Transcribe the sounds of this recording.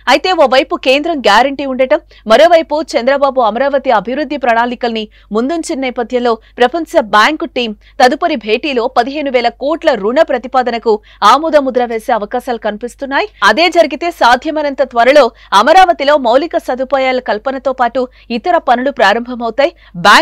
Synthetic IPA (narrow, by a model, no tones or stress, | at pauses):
ɐjit̪e̞ːoːʋɐjpuke̞ːnd̪ɾɐmɡjaːɾɐɳʈiːuɳɖɐʈɐmːɐɾo̞ːʋɐjput͡ʃɐnd̪ɾɐbaːbuɐmɐɾaːʋɐt̪iɐbʱiʋɾud̪ʱːipɾɐɳaːnikɐlni | mund̪uɲt͡ʃinɐniːpɐd̪ʱjɐmlo̞ːpɾɐpʰɐɲsɐbaːŋkuʈiːm | t̪ɐd̪upɐɾibʱe̞ːʈiːlo̞ːpɐd̪iɦe̞ːnuʋɛːlɐkuːʈlɐɾuɳɐpɾɐt̪ipaːd̪ɐnɐku | aːmuːd̪ɐmud̪ɾɐʋe̞ːse̞ːɐʋɐkaːʃaːlukɐnipist̪unːaːjiɐd̪e̞ːd͡ʒɐɾiɡit̪e̞ːsaːd̪ʱjɐmɐnɐnt̪ɐt̪ʋɐɾɐlo̞ː | ɐmɐɾaːʋɐt̪ilo̞ːmɐwlikɐsɐd̪upaːjaːlɐkɐlpɐnɐt̪o̞ːpaːʈu | it̪ɐɾɐpɐnulupɾaːɾɐmbʱɐmɐwt̪aːji | baː